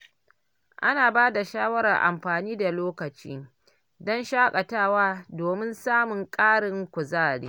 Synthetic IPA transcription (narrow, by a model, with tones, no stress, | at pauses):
ʔa̰˦naː˨baː˦da˨ʃaː˦wɐ˦ɾa˨rʔa̰˨mɸaː˨niː˦da˨loː˦kɐ˨t͡ʃḭː˦ | dɔ˦nʃaː˦kʼɐ˨taː˦˨waː˦doː˨mɪ˦nsaː˦mʊ˨ŋkʼaː˦ɽɪ˦ŋkʷʊ˨zaː˦˨ɽḭː˦